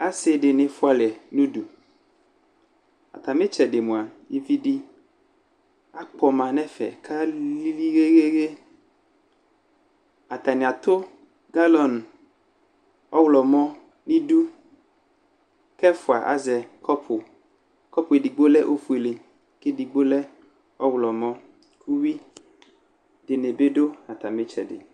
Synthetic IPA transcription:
a˦se˦ɖɪ˨nɪ̃˨fʊ˦a˨lɛ˨nũ˦du˨ | a̰˨t̪a˨mẽ˦t͡ʃɛ˨ɖɪ˨mũ˨a˨ji˦vi˦di˦ | a˦k͡pɔ˨mã˨nɛ̃˦fɛ̰˨kʰa˦li˦li˦ɣe˦ɣe˦ɣe˦ | a˨t̪a˨nɪ̃˨a˨t̪o˦ | ɡa˦lɔ˨n˨ | ɔ˦wlɔ˨mɔ̃˦ | nĩ˦ɖu˦ | kɛ˦fu˨a̰˨ʔa̰˦zɛ˨kʰɔ˦pʰo˨ | kɔ˦po˨e˨di˨ɡ͡bo˦lɛ˦ʔo˦fu˨e˨le˨ | ke˦di˨ɡ͡bo˦lɛ˦ | ɔ˦wlɔ˨mɔ̃˦ | kʰu˦wi˦ | de˨ne˨be˦ɖo˦a˨t̪a˨me˦t͡ʃɛ̰˨dɪ̰˨

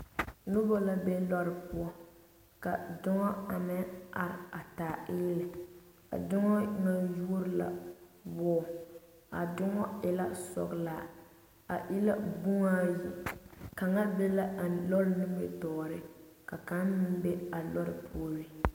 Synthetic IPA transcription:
nʊ˦bɔ˦la˦be˦lɔ˦ɾɪ˨pʊ˦ɔ˦ | ka˨dʊ˦ŋɔ˦a˨mɪ˦a̰˨ɾɪ˨a˨taː˨ʔɪː˦lɪ˨ | ka̰˨dʊ˦ŋɔ˦ŋa˦ju˦o˦ɾɪ˦la̰˨bɔː˦˨ | a̰˨dʊ˦ŋɔ˦ɪ˨la˦sɔ̰˨ɡla˦˨ | a˨ʔɪ˦la˦bu˦ŋa˦ji˨ka˨ŋa˦be˦la˦˨lɔ˦lnɪ˦mɪ˦tɔː˨ɾɪ˦ | ka˨ka˦n˦mɪ˦n˦be˦a˨lɔ˦ɾɪ˨pʰu˦ɔ˦ɾɪ˦

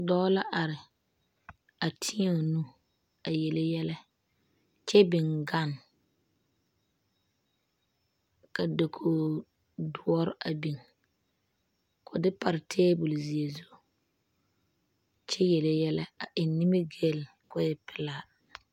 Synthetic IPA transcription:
dɔː˦la˦ʔa˨ɾɪ˨ | a˨tʰi˦a˦˨nu˦ | a˨jɛ˨le˦jɛ˦lɛ˦ | t͡ʃɛ˦bɪ˨ŋɡa˦˨n | ka˨de˨kʰoː˨ | dʊ˦ɔ˦ɾʊ˦ʔa˨bi˨ŋ | kʰʊ˨dɪ˦pa˨ɾɪ˨tʰeː˦bʊ˨lzi˨e˨zo˦˨ | t͡ʃɛ˦jɛ˨le˦jɛ˦lɛ˦a˨ʔɪ˨nːɪ˦mɪ˦ɡe˦˨l | kʊ˦jɛ˦˨pɪ˦laː˦

